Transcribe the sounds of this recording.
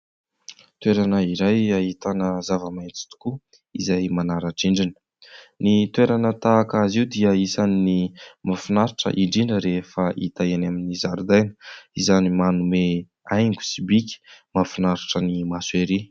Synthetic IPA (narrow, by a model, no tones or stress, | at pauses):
t̪weɾanəiɾajaɦit̪anəzavəmajnt͡si̥t̪u̥ku | izajmanaɾaʈ͡ʂiɳɖ͡ʐinə̥ | nit̪weɾanət̪aːkaziwd̪iəisaninimafunaɾiʈ͡ʂə̰ʔiɳɖ͡ʐiɳɖ͡ʐəɾefəʔḭt̪aanaminizaɾud̪ajnə̥izanimanume | ajŋɡu̥sibikʲi̥mafunaɾiʈ͡ʂənimasueɾi